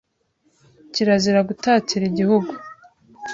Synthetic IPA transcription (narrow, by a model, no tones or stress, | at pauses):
ciɾaziɾaɡutaːciɾiɟihuɡu